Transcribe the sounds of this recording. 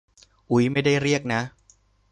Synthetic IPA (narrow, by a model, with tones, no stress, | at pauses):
ʔu˨˦jma˥˩jda˥˩jɾi˥˩ək̚na˦˥